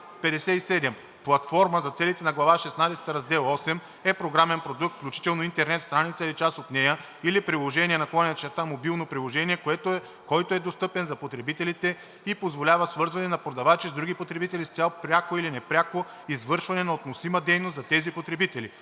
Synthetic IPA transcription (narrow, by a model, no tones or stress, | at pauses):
pɛd̪ɛsɛisɛd̪ɛm | plˠɐt̪fɔɾməzɐt̪sɛlit̪ɛnɐɡlˠɐvaʃɛsnad̪ɛsɛ̥t̪ɾɐzd̪ɛlˠɔsɛm | ɛpɾoɡɾamɛnpɾod̪uk̚t̪fklʲut͡ʃi̥t̪ɛlˠnoint̪ɛɾnɛt̪st̪ɾanit̪səilit͡ʃasot̪nɛjə | ilipɾilˠoʒɛniɛnɐklˠɔnʲɛɐt͡ʃɛɾt̪amobilˠnopɾilˠoʒɛniɛkoɛt̪o | kɔjt̪oɛd̪ost̪ɤpɛnzɐpot̪ɾɛbit̪ɛlit̪ɛ | ipozvolʲavəsvɤɾzvɐnɛnɐpɾod̪ɐvat͡ʃizd̪ɾuɡipot̪ɾɛbit̪ɛlist̪sʲjalˠpɾʲakoilinɛpɾʲako | izvɤɾʃvɐnɛnɐot̪nosiməd̪ɛjnost̪zɐt̪ɛzipot̪ɾɛbit̪ɛli